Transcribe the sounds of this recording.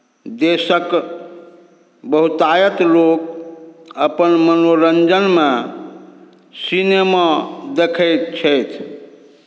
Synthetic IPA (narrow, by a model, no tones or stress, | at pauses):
d̪esək | bəɦut̪ajət̪lok | əpənmənoɾənd͡ʒənme | sinemad̪ekʰəjt̪t͡ʃʰəjt̪ʰ